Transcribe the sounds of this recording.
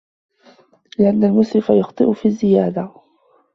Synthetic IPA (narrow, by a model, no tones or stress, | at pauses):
lɪʔanːalmʊsɾɪfajʊxt̪ˤɨʔʊfiːzːɪjaːd̪a